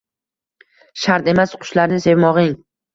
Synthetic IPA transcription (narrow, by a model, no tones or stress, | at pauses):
ʃaɾt̪e̞masqʰʊ̥ʃlaɾɪnɪse̞vmɒʁɪŋ